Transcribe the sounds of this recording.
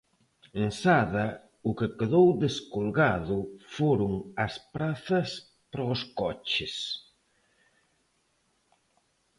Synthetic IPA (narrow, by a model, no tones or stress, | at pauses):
eŋsaðɐ | ʊkekeðowðeskolɣaðʊfoɾʊŋɐspɾaθɐs | pɾoskɔt͡ʃɪs